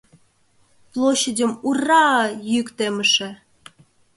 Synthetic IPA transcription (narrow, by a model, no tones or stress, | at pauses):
plˠoɕːədʲəmurɑjykt̪eməʃĕ